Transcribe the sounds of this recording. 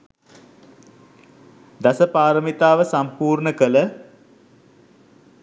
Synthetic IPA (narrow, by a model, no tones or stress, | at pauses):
d̪asəpaːɾəmit̪aːʋəsampuːrɳəkələ